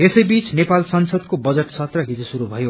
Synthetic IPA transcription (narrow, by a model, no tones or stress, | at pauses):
esʌjbit͡snepalsʌnsʌd̪kobʌd͡zʌʈsʌt̪rʌɦid͡zosuɾubʱʌjo